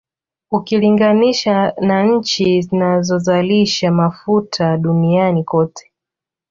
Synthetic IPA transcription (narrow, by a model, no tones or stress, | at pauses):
ukiliŋɡaniʃanaɲ̩t͡ʃizinazɔzaliʃamafutʰaɗunianikɔtɛ̥